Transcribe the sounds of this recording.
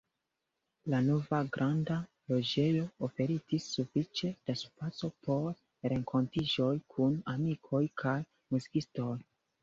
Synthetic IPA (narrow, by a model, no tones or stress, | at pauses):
lanovaɡɾʔanda | lo̞d͡ʒe̞jo̞ofe̞ɾitisːufit͡ʃe̞d̥asupat͡so̞pʰo̞ɾ | ɾe̞ŋkʰo̞ntid͡ʒo̞jkʰunamikʰo̞jkʰaj | muzikisto̞j